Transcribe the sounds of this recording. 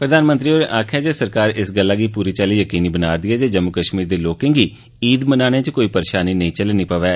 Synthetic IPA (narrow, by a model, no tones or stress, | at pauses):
pɾəd̪aːnmə̃nt̪ɾiːoːɾeʔaːkʰɛːd͡ʒeːsəɾkaːɾɪsɡəlːaːɡiːpuːɾiːt͡ʃaːliːjəkiːniːbənaːd̪iːɛːd͡ʒeːd͡ʒəmʊkəʃmiːɾd̪eːloːkɪ̃ŋɡiː | iːd̪mənaːnẽːt͡ʃkoːiːpəɾeːʃaːniːnəĩːt͡ʃəlnĩːpəʋɛː